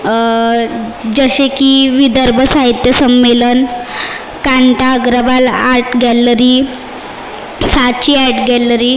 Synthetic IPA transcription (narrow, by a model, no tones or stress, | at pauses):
d͡ʑəɕekiːʋid̪əɾbʱəsaɦit̪jəsəmːelən | kaɳʈaɡɾəbalaɾʈɡɛlɾiː | sat͡ɕiːɛʈɡɛləɾiː